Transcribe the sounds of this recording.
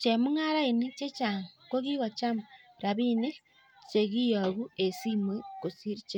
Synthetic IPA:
t͡ʃe˨mu˦ŋa˦ɾa˦e˨ni˦t͡ʃe˦t͡ʃa˨ŋko˦ɣi˦ɣa˨t͡ʃa˦maɾa˨βi˦ne˦ | t͡ʃe˨ɣi˦ja˨ɣu˦e˨si˦mwe˦ko˨si˦ɾi˦t͡ʃe˦

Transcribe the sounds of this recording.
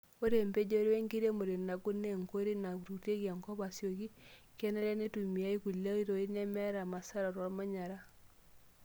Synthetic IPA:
o˦ɾe˨mbe˦d͡ʒe˦ɾwe˦ŋɡi˦ɾe˦mo˨ɾe˨na˨ku˦nːe˦˨ŋko˦ɾi˦na˨ku˨ɾu˨te˦ɡa˨ŋkɔ˦βa˨sjo˨ki˦ | kɛ˦nɛ˦ɾɛ˦ne˦tu˨mi˨a˦i˦ku˨la˦i˦ɾo˨i˦nɛ˦mɛ˦ɾa˨ma˨sa˦ɾɔ˨ɾwɔ˦lma˦ɲa˨ɾa˦

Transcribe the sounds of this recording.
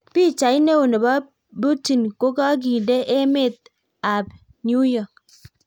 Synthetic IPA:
pi˦t͡ʃa˨˦jne˦wu˨ne˨ba˦ | bu˦ti˨nko˦ka˦ɡ̬i˨dɛ˦ʔe˦me˦˨t̪̚ | a˨b | nju˦jɔ˨k̚

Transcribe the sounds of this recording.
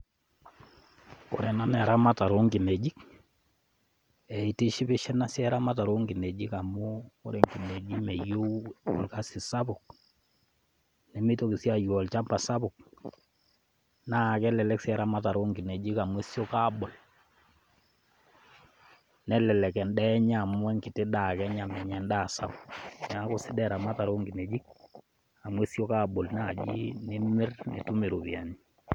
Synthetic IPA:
ko̰˨ɾɛ˨na˦nɛ˨a˨ɾa˦ma˦ta˨ɾo˦ŋɡɪ˨ne˨d͡ʒi˦k | ɛ˨i˨ti˦ʃɪ˦bɪ˦ʃɛ˦na˦sjɛ˦ɾa˦ma˦ta˨ɾo˦ŋɡi˨ne˨d͡ʒi˦ka˨mʊ˦ko̰˦ɾe˨ŋɡi˨ne˨d͡ʒi˦mɛ˨jo˦ɔ̰˨lka˦sɪ˨sa˦bʊ˨k̚ | nɛ˨mi˦to˦ki˨sja˦˨jɔ˨lt͡ʃa˦mba˨sa˦bʊ˨k̚ | na˦˨kɛ˦lɛ˨lɛ˦ksɛ˦ɾa˦ma˦ta˨ɾo˦ŋɡi˨ne˨d͡ʒi˦ka˨mwe˦sjo˦ka˦bɔ˨l | nɛ˦lɛ˨lɛ˨kɛ˨ndɛ˦ɲa˨mwɛ˦ŋki˨te˦da˨kɛ˦ɲa˨mɛ˨ɲɛ˨nda˦˨sa˦bʊ̥˨kn˨a˦ko˨sɪ˦dɛ˦˨ɾa˨ma˦ta˨ɾo˦ŋɡi˨ne˨d͡ʒi˦k̚ | a˨mwɛ˦sjo˦ka˦˨bɔ˨lna˨d͡ʒḭ˦ne˦mɪ˦rnḛ˨tu˦me˨ɾo˨βja˨ni˦

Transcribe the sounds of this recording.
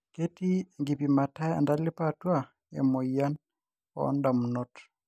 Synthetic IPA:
ke˦ti˦ŋɡi˨pi˨ma˨ta˦a̰˨nda˦li˦pa˦twa˦˨ | ḛ˨mo˨ia˦n | ɔ̰nda˨mu˨nɔ˦t

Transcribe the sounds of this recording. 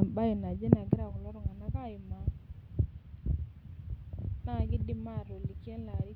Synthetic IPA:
m˨ba˦ɪ˨na˨d͡ʒɛ˦na˨ɡɪ˦ɾa˨kɔ˨lɔ˦ɾɔ˦˨ŋa˨na˦ka˦˨ɪ˨ma˨ | na˦˨ɡɪ˦dɪ˦ma˦˨ɾo˨li˨kjɛ˦la˨ɾi˦

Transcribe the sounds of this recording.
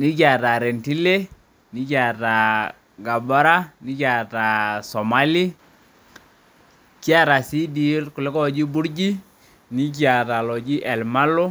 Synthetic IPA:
ni˦ka˨ta˨ɾɛ˨nti˦le˦ | ni˦ka˨ta˨ | ɡa˨ba˦ɾa˦ni˦ka˨ta˨sɔ˨ma˨˦li˦ | ki˦a˦ɾa˨si˦di˨˦rkʊ˨le˦kɔ˦˨d͡ʒi˦bu˦ɾd͡ʒi˦ | ni˦k̬ja˨ta˨lɔ˨d͡ʒi˦ʔɛ˨lma˦lo˦

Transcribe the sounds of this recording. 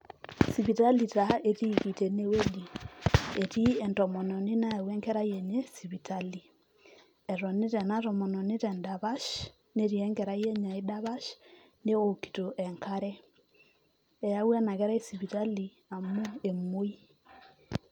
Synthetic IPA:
si˨βi˨ta˦li˨ta˨e˦ti˦ki˨te˨ne˦we˦li˨e˨ti˦ɛ˨ntɔ˨mɔ˨nɔ˨ne˦na˦a˨wɛ˦ŋkɛ˦ɾa˦jɛ˨ɲe˦si˨βi˨ta˦li˨ | ɛ˨ɾɔ˨ne˦ɾɛ˨na˦ɾɔ˨mɔ˨nɔ˨ne˦ɾɛ˨nda˨βa˦ʃ | ne˦ɾi˨ɛ˦ŋɡɛ˨ɾa˦jɛ˦ɲa˨i˦da˦βa˦ʃ | ne˦o˨ki̥˨to˨ʔɛ˨ŋkʰa˦ɾɛ˦ | ɛ˨ja˦wɛ˦na˨ɣɛ˦ɾa˦e˦si˨βi˨ta˦li˨ | a˨mo˦e˨mo˦i˦

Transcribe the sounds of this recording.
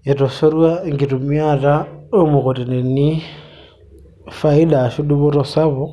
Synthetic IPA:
e˨to˨so˦ɾuwa˦ŋɡi˨tu˨miarao˦mu˨ko˨ti˨ne˨ni˦ | fai˦la˨ʃu˦du˦βo˦ɾosaβo

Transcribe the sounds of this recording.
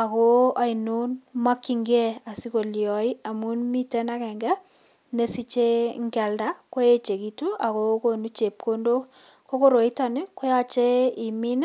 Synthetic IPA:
a˨ko˦a˨inu˦nma˦kːi˨ŋɡɛ˦a˨si˦ko˨ljɔ˨i˦a˨mu˦nmi˦te˦na˦kɛ˨ŋɡɛ˦ | ne˦si˦t͡ʃe˦ŋɡɛ˨lda˦ko˦e˦t͡ʃe˨ki˨tu˦a˨ko˦ko˨nu˦t͡ʃe˨p̚kʰo˦ndo˦ | ko˦ko˦ɾo˨i˦ta˨nɪ˦ko˦ja˦t͡ʃe˦i˨mi˦n˦

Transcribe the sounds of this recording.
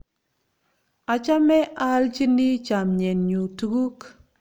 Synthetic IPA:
a˨t͡ʃa˦mɛ˦ʔa˦lt͡ʃi˦ni˦t͡ʃa˨mɲɛ˨nɲu˨tu˨˦ɡu˦k

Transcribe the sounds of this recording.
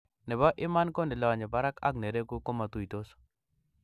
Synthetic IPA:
nɛ˨bɔ˦ʔɪ˦ma˦nko˦ndɪ˨lɔ˨ɲɛ˨ba˦ɾa˦ka̰˦k̚ne˨ɾe˦ku˦ko˦ma˨t̪u˦˨i˨t̪o˦s

